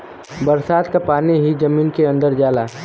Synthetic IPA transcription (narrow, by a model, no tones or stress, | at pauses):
bəɾsaːd̪kapaːniɦid͡ʒəmiːnkeɐ̃nd̪əɾd͡ʒaːlaː